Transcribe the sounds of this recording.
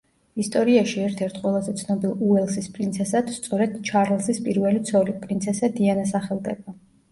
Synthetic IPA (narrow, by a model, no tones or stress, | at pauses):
ist̪ʼɔɾiaʃiɛɾt̪ʰɛɾt̪ʰqʼwɛlˠazɛt̪sʰnɔbilˠuɛlˠsispʼɾint̪sʰɛsad̪̥st̪sʼɔɾɛd̪̥t͡ʃʰaɾlˠsispʼiɾvɛlit̪sʰɔlipʼɾint̪sʰɛsad̪ianasaχɛlˠd̪ɛba